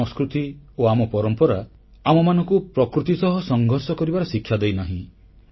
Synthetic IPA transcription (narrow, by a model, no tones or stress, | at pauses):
ɔskɾut̪ioamɔpɔɾɔmpɔɾa | amɔmanɔŋkupɾɔkɾut̪isɔɦɔsɔŋɡʱɔɾsɔkɔɾibaɾɔsikʰːjad̪ejnaɦḭ̃